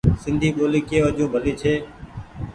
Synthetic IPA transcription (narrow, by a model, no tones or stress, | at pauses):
sɪnd̪ʱiːɓoːliːkeːʋəʄõːbʱəliːt͡ʃʰeː